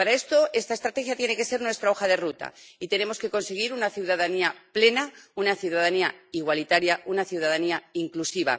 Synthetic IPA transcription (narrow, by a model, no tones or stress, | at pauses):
paɾae̞st̪o̞e̞st̪aest̪ɾat̪exjat̪je̞ne̞ke̞se̞ɾnwe̞st̪ɾao̞xaðe̞rut̪a̰it̪e̞ne̞mo̞ske̞ko̞nse̞ɣ̞iɾunaθjuwðaðaniaple̞naunaθjuðaðaniaiɣwalit̪aɾjaunaθjuwðaðaniaiŋklusiβa̰